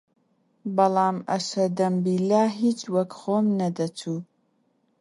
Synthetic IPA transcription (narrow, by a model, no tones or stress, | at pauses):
bɐlaːmɐʃɐd̪ɐmbilaːɦit͡ʃwɐkχoːmnɐd̪ɐtʰu